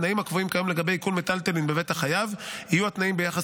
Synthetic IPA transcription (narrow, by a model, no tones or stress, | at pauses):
naimhakvoimkajomleɡabe̞jkulmetalt̪elinbe̞vethaχajavhijuat̪naimbejaχas